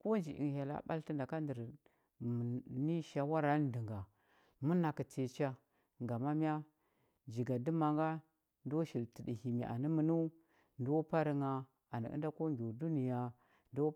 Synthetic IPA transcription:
ko˦nd͡ʒi˨ḭ˨ŋ˨ja˨la̰˦ɓa̰˦lti˦nda˨ka˦ndə˨ɾ | m˨ni˦ʃa˨wa˦ɾa˦n˦di˨ŋɡa˨ | mu˦na˨ki˨t͡se˨t͡ʃa˦ | ŋɡa˨ma˦mi˦a˦ | d͡ʒi˨ɡa˨di˦ma˨ŋɡa˦ | ndo˦ʃi˨lti˨di˨hi˨mi˨ʔa̰˨ni˦mə˨nu˦ | ndo˦pa˦ɾi˦ŋa˨ | a˨nḭ˨ə̰˦nda˦ko˦ŋɡʲo˨du˦ni˨ja˨ | ndo˦

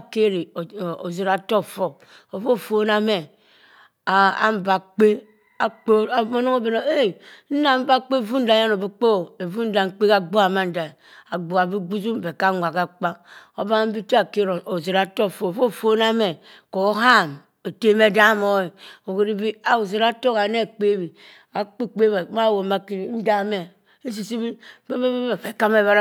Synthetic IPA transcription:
a˨ke˦ɾi˨o˨ze˨ɾa˨to˦˨fo˨ | o˨fo˦˨fo˦na˦me˨ | a˨a̰˦m̩˦˨ba˨k͡pe˦ | a˨k͡pe˦a˨mo˦no˦ŋo˦be˨no˨e˦˨n̩˦na˨m̩˦ba˦k͡pe˦˨vu˦n̩˦da˨˦a˦no˨bi˦k͡po˦˨e˨vu˦n̩˦da˨ŋ̩˦k͡pe˦ka˨ɡ͡bo˦a˨ma˦n̩˨da˨ | a˨ɡ͡bo˨a˨bi˦ɡ͡bu˦zu˦m˨be˨ka˦ŋʷa˨ka˦k͡pa˦o˦ba˦m̩˦bi˦ti˦a˨ke˦ɾo˨no˨ze˨ɾa˨to˦˨fo˨fo˦˨fo˦na˦me˨ | ko˨˦ɦa˦˨m | e˨te˦me˦da˦mo˦i˨o˨ke˨ɾi˦bi˦a˨u˨ze˨ɾa˦to˦ka˨˦ne˦˨k͡pe˦bi˨ | a˨k͡pe˦k͡pe˦ba˨ma˦˨wo˨ma˦ki˦ɾi˨n̩˦da˦me˨ | e˦s̬i˨si˦bi˦e˦be˦be˦e˨fe˨ka˦me˦˨ba˦ɾ

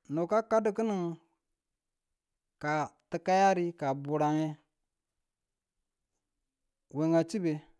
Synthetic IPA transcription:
no˨ka˦ka˦də˨ki˦ni˨ŋ | ka˨tə˨ka˦ja˦ɾi˦ka˨bu˨ɾa˨ŋe˦ | we˨ŋa˨t͡ʃi˦be˨

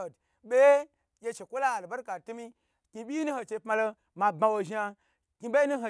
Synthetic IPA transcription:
d | be˦ | je˧t͡ʃe˨kʷo˦la˦a˨lba˦ɾka˨tu˦mi˦ | ki˧bʲi˦nu˦ho˧t͡ʃe˧˨pma˧lo˧ | ma˨ba˧wo˨˧ʒi˧a˧ | kʲi˧ɓe˦nu˦ɦo˨

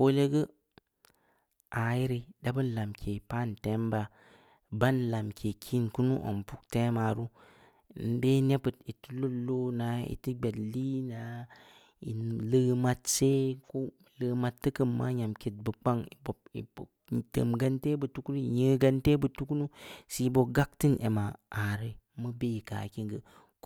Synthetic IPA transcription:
ko˦le˦ɡə˦ | ʔa˨ji˦ɾi˨da˦bɨ˦n˦la˨mkʰe˨pa˦˨n˨te˦mba˨ | ba˦nla˨mkʰe˨kʰi˦nku˦nṵ˦ʔo̰˨mpu˦k̚te˦ma˨ɾu˦˨ | n˨˦de˦ne˦pə˨ti˨tu˦lu˦lo˦na˨ḭ˨tɨ˦ɡ͡be˨dli˦na˨ | ḭ˨lə˦ma˨˦tse˦ko˦˨lə˨ma˨tːə˦kə˨mːa̰˦ɲa˨mke˨t̚bə˨k͡pa˦ŋi˨bo˨ḭ˨o˨ | tə̰˨mɡa˦nte˦bə˨tu˦kɾi˦˨jə˦ɡa˦nte˦bə˨tu˦ku˦nu˦si˨˦bo˨ɡa˦k̚ti˦nʔḛ˨ma˨a˨ɾe˨mə˦be˦˨ka̰˨ki˦ŋɡə˨

